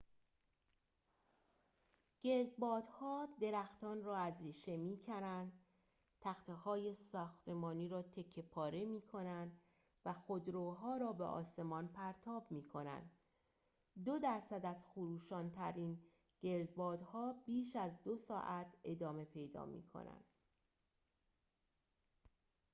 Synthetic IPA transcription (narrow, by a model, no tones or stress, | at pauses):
ɟ̥e̞ɾd̪̚bɒːd̪̥hɒːd̪e̞ɾæxt̪ʰɒːnrɒːæzɾiːʃe̞miːcʰæɾænd̪ | t̪ʰæxt̪ʰehɒːje̞sɒːxt̪ʰe̞mɒːniːɾɒːt̪ʰe̞kʰːe̞pʰɒːɾe̞miːkʰo̞nænd̪ | væxo̞d̪ɾoːɦɒːɾɒːbeʔɒ̰ːse̞mɒːnpʰæɾt̪ʰɒːbmiːkʰo̞næ̰nd̪̥ | d̪od̪æɾsæd̪æzxoɾuːʃɒːnt̪ʰæɾiːn | ɟ̥e̞ɾd̪̚bɒːd̪hɒːbiːʃæzd̪o̞sɒːʔæt̪ʰe̞d̪ɒːme̞pʰe̞jd̪ɒ̰ːmḭːkʰo̰næ̰nd̪̥